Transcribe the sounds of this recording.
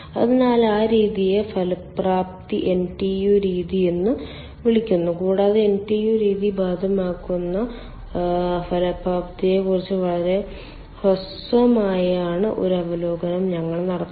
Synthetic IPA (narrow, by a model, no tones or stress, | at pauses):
ɐ̰ðinaːlaːɾiːðijefɐlɐpːraːp̚t̪iʔenʈijuːɾiːðijenːɨ | ʋiɭikʲːunːukuːɽaːðɨenʈijuːɾiːðibaːd̪ʱɐmaːkːunːɐ | fɐlɐpraːp̚t̪ijekːurit͡ɕːɨʋɐɭɐɾe̞ | hos | ʋɐmaːjaːɳɨʔo̞ɾɐʋɐloːɡɐnɐmɲɐŋːɐɭnɐɽɐt̪ː